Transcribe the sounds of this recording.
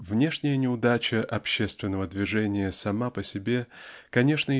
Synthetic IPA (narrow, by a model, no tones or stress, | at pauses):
vnʲe̞ʂnʲɪjənʲɪʊd̪at͡ɕəʔɐpɕːe̞st̪vʲɪnːəvəd̪vʲɪʐɛnʲɪjəsɐmapəsʲɪbʲe̞kɐnʲe̞ʂnə